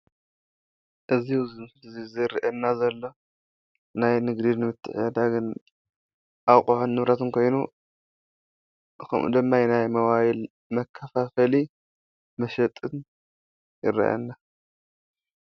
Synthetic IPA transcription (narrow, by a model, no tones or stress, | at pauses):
ʔɨziuzɨmzizɨɾʔɐnːazɐlːo̞ | najnɨɡd̪inɨmɨt̪ʰːɨ̰ħɐd̪aɡɨn | ʔawkʼuħunːɨβɾɐt̪ʰɨnkʰo̞jnu | kʰɐ̰mʔṵd̪ɨmːajnajmɐwajil | mɐkʰːɐfafɐli | mɐʃɐt̪ʼɨn | jɪɾɐ̰ʔɐ̰nːa